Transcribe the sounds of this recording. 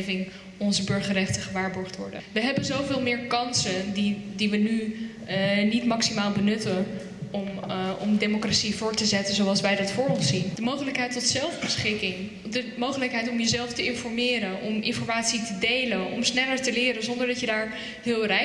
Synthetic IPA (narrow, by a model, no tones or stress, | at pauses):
vɪŋ | ɔnzəbɵɹχərɛχtəχəʋaːɹbɔɹχtʋɔ̰ɹdə̰nʋəɦɛbənzowvɪːlˠmɪːɹkɑnsəndidiʋəny | nitmɑksimaːlˠbənɵtən | mɔ̰mdejmokrasivʊːɹtəzɛtəzowɑlˠsʋɛjdɑtfʊːɹɔnsind̥əmowχələkɦɛjtɔtsɛlˠvbəsχɪkɪŋ | dəmowχələkɦɛjtɔmjəzɛlˠftəɪnfɔɹmɪːɾənɔmɪnfɔɹmaːtsitədejlənɔ̰msnɛləɹtəlɪːɾənzɔndəɹdɑcədaːɹ | ɦɪːlˠrɛ